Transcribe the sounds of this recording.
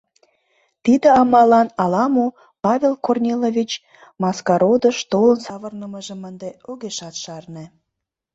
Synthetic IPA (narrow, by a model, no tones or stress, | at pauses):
t̪id̪ə̆ɑmɑlɑnɑlɑmo | pɑvʲelkornʲelovʲit͡ɕ | mɑskɑɾod̪əʃt̪olənsɑβərnəməʒəmənd̪eoɣeʃɑt̪ʃɑrne